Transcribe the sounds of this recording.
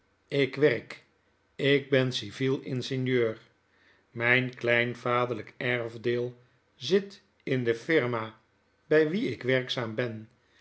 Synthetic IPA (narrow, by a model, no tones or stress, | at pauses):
ɪkʋɛrk | ɪɡ̚bɛnsivilˠɪnsɪnjøːr | mɛjnklɛjnvaːdələkɛɹvdɪːlˠ | zɪt | ɪndəfɪɹma | bɛjʋiɪkʋɛɹksaːmbɛn